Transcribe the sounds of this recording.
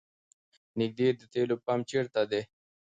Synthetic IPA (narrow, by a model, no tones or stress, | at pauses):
nɪk̚d̪iːɾd̪ət̪eːlopamt͡ʃeɾt̪ad̪e